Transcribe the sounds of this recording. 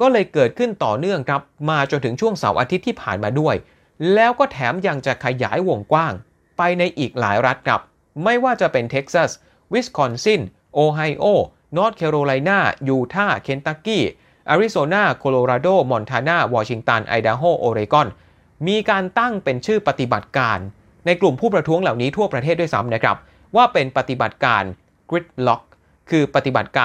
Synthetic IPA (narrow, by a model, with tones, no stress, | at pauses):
kɔː˥˩lɤː˧jkɤː˨˩t̪̚kʰɯ˥˩nt̪ɔː˨˩nɯ˥˩əŋkʰɾa˦˥p̚maː˧t͡ɕo˧nt̪ʰɯ˩˦ŋt͡ɕʰu˥˩əŋsa̰˩˦wʔa̰˧t̪ʰi˦˥t̪ʰːiː˥˩pʰaː˨˩nmaː˧du˥˩əj | lɛː˦˥wkɔː˥˩t̪ʰɛ̰ː˩˦mja˧ŋt͡ɕa˨˩kʰa˧ja̰ː˩˦jwo˨˩ŋkwaː˥˩ŋ | pa˧jna˧jʔiː˨˩k̚la̰ː˩˦jɾa˦˥t̪̚kʰɾa̰˦˥p̚ | ma˥˩jwaː˥˩t͡ɕa˨˩pe˧nt̪ʰe˦˥k̚sa˥˩s | wi˦˥skʰɔ˧nsi˥˩n | ʔoː˧ɦa˧jʔoː˥˩ | nɔː˦˥t̪̚kʰeː˧ɾoː˧la˧jnaː˥˩juː˧t̪ʰaː˥˩kʰe˨˧˥nt̪a˧˥kiː˥˩ | ʔa˧ɾi˦˥soː˧naː˥˩kʰoː˧loː˧ɾaː˧doː˥˩mɔ˧nt̪ʰaː˧naː˥˩wɔː˧t͡ɕʰi˧ŋt̪a˧nʔa̰˧jdaː˧ɦoː˥˩ʔoː˧ɾi˧kɔ˥˩n | miː˧kaː˧nt̪a˥˩ŋpe˧nt͡ɕʰɯː˥˩pa˧t̪i˨˩ba̰˨˩t̪̚kaː˧nː | a˧jklu˨˩mpʰuː˥˩pɾa˧t̪ʰu˦˥əŋla˨˩wniː˦˥t̪ʰu˥˩ɐpɾa˧t̪ʰeː˥˩t̪̚du˥˩jsa̰˦˥mna˦˥kʰɾa̰˦˥p̚ | waː˥˩pe˧npa˧t̪i˨˩ba˨˩t̪̚kaː˧n | kɾi˦˥t̪̚lɔ˦˥k̚ʰː | ɯː˧pa˧t̪i˨˩ba˨˩t̪̚kaː˧